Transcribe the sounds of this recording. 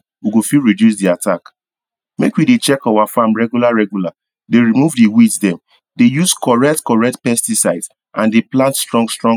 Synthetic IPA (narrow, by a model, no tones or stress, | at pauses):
wiɡofiɹidjusdiatʰak | mekwidet͡ʃɛkawafãmɹɛɡjulaɹɛɡjula | deɹimuvdiwitdɛ̃m | dejuskɔɹɛk̚tkɔɹɛk̚tpɛstisaɪds | ʔãndeplãntstɹɔ̃ŋɡstɹɔ̃ŋ